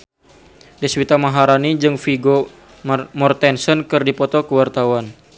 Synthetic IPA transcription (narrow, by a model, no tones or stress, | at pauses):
dɛswit̪amaɦaɾanid͡ʒɨŋfiɡo | mɔrt̪ɛnsɔnkɨrdipɔt̪ɔkəwart̪awan